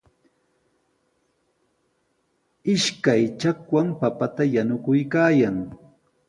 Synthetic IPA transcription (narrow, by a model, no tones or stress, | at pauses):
ɪʃkajt͡ʃakwampapat̪ajanʊkʊjkaːjaŋ